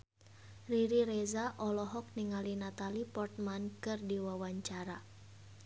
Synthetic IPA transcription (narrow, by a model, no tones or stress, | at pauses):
riɾiɾɛzaʔɔlɔɦɔk̚niŋalinat̪alipɔrt̪̚mankɨrdiwawaɲt͡ʃaɾa